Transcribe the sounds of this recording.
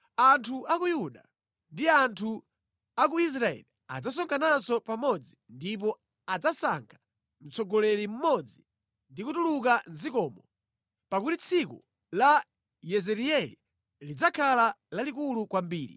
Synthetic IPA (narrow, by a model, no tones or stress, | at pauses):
antʰuʔakujuɗa | ndiantʰu | ak̬uis̬ɾaɛ̰lia̰d͡zas̬ɔŋkanasɔpamɔd͡zindip̬ɔ | ad͡zasa̰ŋkʰḁ | n̩t͡sɔɡɔlɛɾim̩mɔd͡zi | ndikutuluk̬anzikɔːmɔ | pakutit͡sʰikṵ | la | jɛzɛɾiɛli | lid͡zakʰalalalik̬ulukwambiːɾḭ